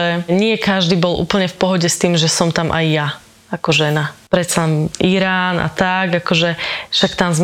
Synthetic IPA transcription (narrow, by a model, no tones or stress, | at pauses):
ɛɲɪɛkaʒd̪iːbɔlʔṵːpl̩ɲɛfpɔɦɔɟɛst̪iːmʒɛsɔmt̪amʔa̰jːa | akɔʒɛnapɾɛt̪salɛmʔiɾaːna̰t̪aɡakɔʒɛʃakt̪amzm